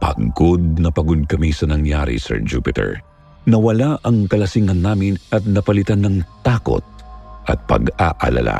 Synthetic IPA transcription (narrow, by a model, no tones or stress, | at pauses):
pɐ̰ɡod̪̚nɐpɐɡod̪̚kɐmisɐnɐŋjaɾḭsɛ̰ɹd͡ʒṵpɪt̪ɛ̰ɹ | nɐwɐlaʔɐŋkɐlɐsiŋɐnːaːmɪnʔɐt̪̚nɐpɐlɪt̪anːɐŋt̪aːko̰t̪̚ʔɐt̪̚pɐ̰ɡaʔɐ̰lɐ̰la̰